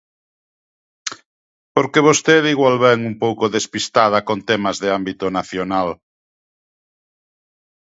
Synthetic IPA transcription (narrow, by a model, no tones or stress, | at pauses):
poɾkeβost̪eðiɣwalβɛŋumpowkoðespist̪að̞ɐkont̪ɛmɐzðɪambit̪onaθjonal